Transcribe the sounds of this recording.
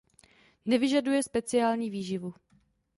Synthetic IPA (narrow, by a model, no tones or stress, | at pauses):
nɛvɪʒadujɛspɛt͡sɪaːlɲiːviːʒɪvu